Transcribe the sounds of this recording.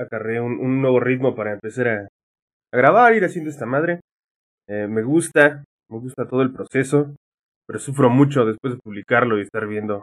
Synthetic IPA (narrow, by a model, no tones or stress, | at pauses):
akare̞unʔunːwe̞β̞o̞rit̪mo̞paɾaempe̞saɾaː | ɣɾaβaɾiɾasjend̪oest̪amaðɾe̞ | eme̞ɣust̪a | me̞ɣust̪at̪o̞ð̞oelpɾo̞se̞so̞ | pe̞ɾo̞sufɾo̞mut͡ʃo̞ð̞espwe̞zðepuβlikaɾlo̞iest̪aɾβje̞nd̪o̞